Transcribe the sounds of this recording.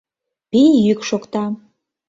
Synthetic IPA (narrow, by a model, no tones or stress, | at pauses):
pijykʃokt̪ɑ